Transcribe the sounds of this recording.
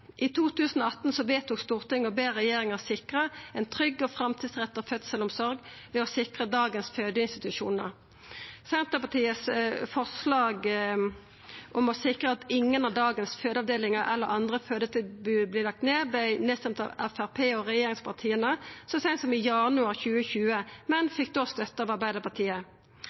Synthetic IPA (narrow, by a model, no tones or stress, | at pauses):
ʔit̪ʰuːt̪ʉːsən̩ɔɑt̪ːn̩sɔʋeːt̪ʰuːkst̪uːʁt̪ɪŋːɔbeːʁɛjeːɾɪŋəʁsɪkʁəɛɪnt̪ʰʁʏɡːɔfʁɑmt̪ʰiːd̪sʁɛt̪ːɔfœt̪səlɔmsɔɾɡʋɛɔsɪkʁəd̪ɑːɡənsføːd̪əɪnst̪ɪt̪ʉʃuːnə̰ʁ | sɛnt̪əpɑt̪ʰiːəsfɔʁslɑːɡ | ʔɔmɔsɪkʁəɑt̪ɪŋːənɑʋd̪ɑːɡənsføːd̪əɑʋd̪eːlɪŋəɾʔɛ̰lːəɾɑnd̪ʁəføːd̪ət̪ʰɪbʉːblɪːlɑk̚t̪neːbæɪneːst̪ɛmt̪ɑ̰ʋɛfæʁpʰeːɔʁɛjeːʁɪŋspʰɑʁt̪ʰiːənəsɔsɛnsɔmɪjɑnʉɑʁçʉːəçʉːəmɛnfɪk̚d̪oːst̪œt̪ːəɑːʋɑʁbæɪd̪əpɑt̪ʰiːə